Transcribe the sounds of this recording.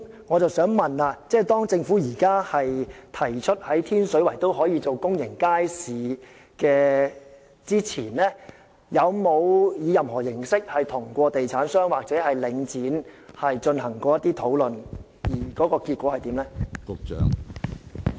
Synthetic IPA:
ŋɔː˨˧t͡sɐ˨wsœː˨˥ŋmɐ˨naː˧t͡sɛː˥˩t̪ɔː˥ŋt͡sɪ˧ŋfuː˨˥jiː˨˩kaː˥hɐ˨jt̪ʰɐ˨˩jt͡ʃʰɵ˥t̚hɐ˨˥jt̪ʰiː˥nsɵ˨˥ɥwɐ˨˩jt̪o˥whɔː˨˥jiː˨˧t͡so˨wkʊ˥ŋjɪ˨˩ŋkaː˥jsiː˨ | kɛː˧ | t͡siː˥t͡sʰiː˨˩nlɛː˥ | jɐ˨˧wmo˨˧wjiː˨˧jɐ˨mhɔː˨˩jɪ˨˩ŋsɪ˥k̚hɐ˨jt̪ʰʊ˨˩ŋkʷɔː˧t̪e˨jt͡sʰaː˨˥nsœː˥ŋwaː˨k̚t͡sɛː˨˥hɐ˨jlɪ˨˧ŋt͡siː˨˥nhɐ˨jt͡ʃɵ˧nhɐ˨˩ŋkɔː˧jɐ˥t̪iː˥t̪ʰo˨˥wlɵ˨n | jiː˨˩kɔː˨˥kɔː˧kiː˧t̚kʷwɔː˨˥hɐ˨jt̪iː˨˥mlɛ˥kʊ˨k̚t͡ʃœ̰ː˨˥ŋ

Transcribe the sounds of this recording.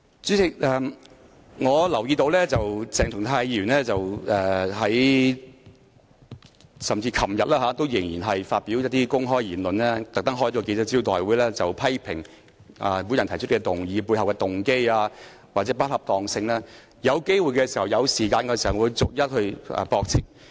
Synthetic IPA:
t͡syː˨˥t͡sɪ˨˩k̚ʔɛː˧ | ŋɔː˨˧lɐ˨˩wjiː˧t̪o˧wlɛː˥t͡sɐ˨wt͡sɛː˨ŋt̪ʊ˨˩ŋt̪ʰaː˧jiː˧jyː˨˩nlɛː˥t͡sɐ˨wɛː˨˧ɦɐ˨˥j | sɐ˨mt͡siː˧kʰɐ˨˩mjɐ˨t̚laː˥aː˨˥t̪o˥wjɪ˨˩ŋjiː˨˩nɦɐ˨jfaː˧t̚pi˨˥wjɐ˥t̚t̪i˥kʊ˥ŋɦɔː˥jiː˨˩nlɵ˨nlɛː˥t̪ɐ˨k̚t̪ɐ˥ŋɦɔ˥j̚kɔ˧ke˧jt͡sɛ˥t͡siː˥wt̪ɔː˨jwuː˨˥jlɛː˥t͡sɐ˨wpʰɐ˥jpʰɪ˨˩ŋ | a̰ː˨˩mu˨˥njɐ˨nt̪ʰɐ˨˩jt͡ʃʰɵ˥t̚kːɛ˧t̪ʊ˨˩ŋjiː˨˧puː˧jɦɐ˨wkɛː˧t̪ʊ˨˩ŋke˥jaː˧ | waː˨t̚t͡sɛː˨˦˥pɐ˥t̚hɐ˨p̚t̪ɔː˨˩ŋsɪ˧ŋlɛː˥ | jɐ˨˧wke˥jwuː˨˧jkɛː˧siː˨˩hɐ˨˩wjɐ˨˧wsiː˨˩kaː˧nkɛ˧siː˨˩hɐ˨˩uː˨˧jt͡sʊ˨k̚jɐ˥t̚hɵ˧ɥɛ̰˨pɔː˧k̚t͡sʰɪ˨˩ŋ

